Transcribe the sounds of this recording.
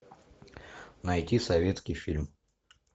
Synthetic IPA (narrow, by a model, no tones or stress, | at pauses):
nɐjtʲisɐvʲe̞t̪skʲɪjfʲilʲm